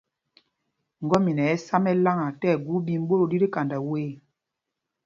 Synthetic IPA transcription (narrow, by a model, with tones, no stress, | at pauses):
ŋ̩˨ɡɔ˦mi˨nɛ˨ɛ˦sa˦mɛ˦la˦ŋa˨tɛ˦˨ɡu˦bi˦˨m̩˦bo˦ɾo˨di˦ɾi˦ka˨nda˨weː˦